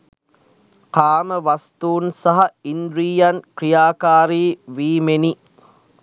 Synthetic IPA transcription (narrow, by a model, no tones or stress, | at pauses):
qaːməʋast̪uːnsaɦaind̪ɾiːjankɾijaːkaːɾiːʋiːmeni